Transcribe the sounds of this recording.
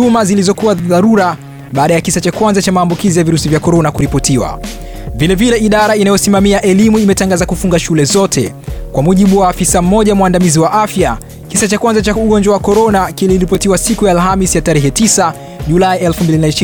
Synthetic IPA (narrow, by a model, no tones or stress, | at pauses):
umazilizɔkuwaðaɾuɾa | ɓaːɗajakisat͡ʃakwanzat͡ʃamaːmbukizijaviɾusivjakɔɾɔnakuɾipɔtiwa̰ | vilɛvilɛiɗaɾainajɔsimamiaʔɛlimuimɛtaŋɡazakufuŋɡaʃulɛzɔtʰɛ | kwamuʄiɓuwaːfisam̩mɔʄamwandamiziwaʔafja | kisat͡ʃakwanzat͡ʃauɠɔnd͡ʒwawakɔɾɔnakiliɾipɔtiwasikujaːlɦamisjataɾɛɦɛtisa | ʄulaiɛlfumbilinaiʃ